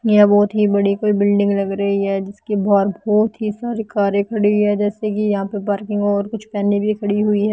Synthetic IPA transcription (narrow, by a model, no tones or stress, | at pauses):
jɛbɔːt̪ɦibɐɽikoːibɪlɖɪ̃ŋɡlɐɡɾɐɦiɦɛːd͡ʒɪskebaːɾbɔːt̪ɦisaːɾikaːɾekʰɐɽiɦʊiɦɛd͡ʒɛːsekijɐɦãpep̬aːɾkɪ̃ŋɡɔːɾkʊt͡ʃʰpɛːnibʱikʰɐɽiɦʊiɦɛː